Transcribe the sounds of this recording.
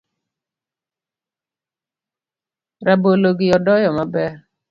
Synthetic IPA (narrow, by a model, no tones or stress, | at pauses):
ɾaboloɡɪjɔdɔjɔmabɛ